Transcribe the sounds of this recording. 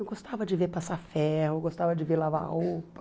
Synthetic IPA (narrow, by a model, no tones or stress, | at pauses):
ɡost̪avɐd͡ʒɪveɾpasafɛhʊɡost̪avɐd͡ʒɪveɾlava̰hopɐ̥